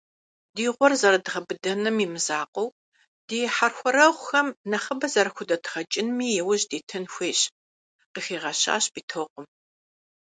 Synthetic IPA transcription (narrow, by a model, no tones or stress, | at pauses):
diːʁʷɔrzɐɾɐdɨʁɐbɨdɐnɨmimɨzaːqʷʼɔw | d̥eːħarxʷɔɾɐʁʷʊxɐmnɐχɐbɐzɐɾɐxʷʊdɐtʰʁɐt͡ʃʼɪnmiːjɛwʊʑdeːtʰɨnxʷeːɕ | qəxeːʁɐɕa̰ːɕb̥iːtʰoːqʷʼʊm